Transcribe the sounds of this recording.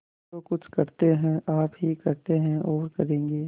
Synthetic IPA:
okʊt͡ʃʰkɐɾt̪eɦɛ̃ʔaːpɦikɐɾt̪eɦɛ̃ʔoːəɾkɐɾẽːŋɡeː

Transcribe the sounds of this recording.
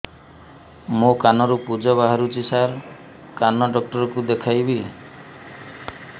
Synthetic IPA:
mokanɔɾupud͡ʒɔβaɦaɾut͡ʃisaɾ | kanɔɖɔk̚ʈɔɾɔkud̪ekʰajbi

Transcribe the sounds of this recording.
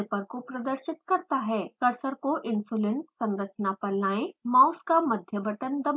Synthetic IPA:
pɐɾkopɾɐd̪əɾʃɪt̪kɐɾt̪aɦɛːkɐɾsəɾkoʔɪ̃nsuːlẽnʈsɐ̃nɾət͡ʃnapɐlnaːẽmãːʊskamɐd̪ʱjəbʱəʈənd̪ɐm

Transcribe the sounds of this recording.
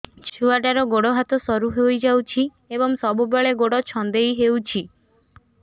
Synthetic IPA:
t͡ʃʰuaʈaɾɔɡoɽɔɦat̪ɔsɔɾuɦejd͡ʒawt͡ʃʰi | ebɔŋsɔbubeɭeɡoɽɔt͡ʃʰɔnd̪ejɦewt͡ʃʰi

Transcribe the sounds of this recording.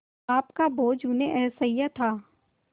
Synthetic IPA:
aːpkaboːd͡ʒuneʔɛːsaijat̪ʰaː

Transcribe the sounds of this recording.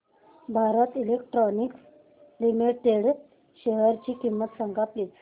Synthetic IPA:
bʱaɾət̪ilekʈɾɔniks | limeʈeɽ | ɕeɦəɾt͡ɕiːkimːət̪səŋɡapliːt͡s

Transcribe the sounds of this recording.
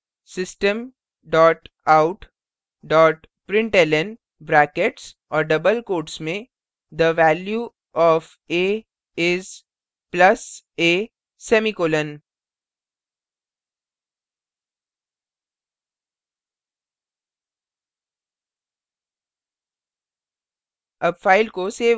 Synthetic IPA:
sɪsʈə̃m | ɖɔːʈ | aːʊʈ | ɖɔːʈ | pɾɪ̃ɳʈelən | bɾɛːkeʈs | ɔːɾɖɐbəlkoːʈsmẽ | d̪əʋæːlju | ɔːf | eː | ɪz | plɐs | eː | sɛːmikoːlə̃n | ɐbfaːɪlkoseː

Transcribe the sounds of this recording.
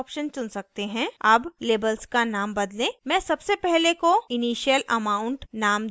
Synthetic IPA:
pʃənt͡ʃʊnsɐk̚t̪eɦɛ̃ɐbleːbəlskanaːmbɐd̪lẽːmɛ̃ːsɐbsepɛɦlekoɪniːʃjəlɐmaːʊ̃ɳʈnaːm

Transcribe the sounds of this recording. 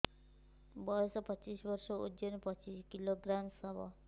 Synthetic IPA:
bɔjɔsɔpɔt͡ʃisbɔɾʃɔud͡ʒonpɔt͡ʃiskiloɡɾamsɔbɔ̰

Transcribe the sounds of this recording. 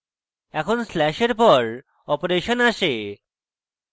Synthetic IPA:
ɛkʰonslɛʃeɾpɔɾ | ɔpoɾeʃonaʃe

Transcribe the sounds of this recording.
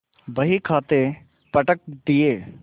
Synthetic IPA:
bəɦikʰaːt̪e | pəʈək̚d̪ieː

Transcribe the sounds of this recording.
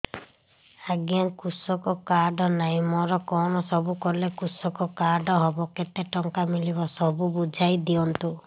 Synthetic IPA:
aɡjankusɔkɔkaɾɖɔnaɦĩmɔɾɔkɔnɔsɔbukɔɾlekusɔkɔkaɾɖɔɦɔbɔket̪eʈɔŋkamiliβɔsɔbubud͡ʒʱajd̪iɔnt̪u

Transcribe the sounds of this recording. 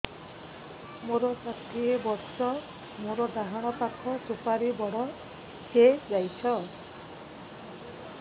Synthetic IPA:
moɾɔsat̪ʰiebɔɾsɔ | moɾɔd̪aɦaɽ̃ɔpakʰɔt̪upaɾibɔɽɔ | hed͡ʒajt͡ʃʰɔ

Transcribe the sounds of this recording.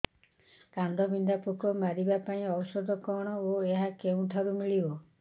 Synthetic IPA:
kand̪ʱɔbʱind̪apukɔmaɾibapaĩɔwɔsɔd̪ʱɔkɔɽ̃ɔoeɦakeũʈʰaɾumiɭibɔ

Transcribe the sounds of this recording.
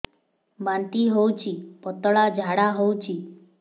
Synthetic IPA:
bãnt̪iɦowt͡ʃʰipɔt̪əɭad͡ʒʱaɽaɦowt͡ʃʰi

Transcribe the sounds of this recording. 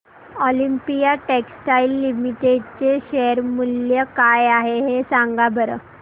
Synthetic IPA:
ɔlimpijaʈeksʈailːimiʈeɖ̚t͡ɕeɕeɦəɾmuljəkajaɦeɦesaŋɡabʱəɾə̰

